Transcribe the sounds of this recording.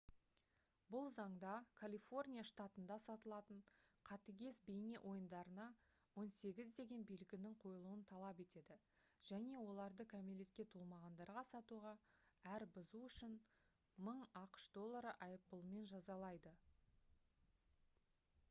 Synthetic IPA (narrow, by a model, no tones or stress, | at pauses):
bʊlˠzɑɴd̪ɑkʰalʲifo̞rnʲijaʂt̪ɑt̪ənd̪ɑsɑt̪əlˠɑt̪əɴqʰɑt̪əɡʲe̞sbe̞jne̞ʔo̞jənd̪ɑɾənɑ | wo̞nse̞ɡʲɪzd̪e̞ɡʲe̞nbijlɪɡʲɪnɪɴqʰo̞jəlˠuənt̪ʰɑlˠɑpe̞t̪e̞d̪ɪ | ʒ̥æne̞wo̞lˠɑɾd̪əkʲʰæme̞le̞t̪kʲe̞t̪ʰulˠmɑʁɑnd̪ɑɾʁɑsɑt̪uʁɑæɾbʊzuʏʃɪn | məɴɑqə̥ʃd̪o̞lˠːaɾəʔɑjəp̚pəlˠəme̞nʒɑzɑlˠɑjd̪ə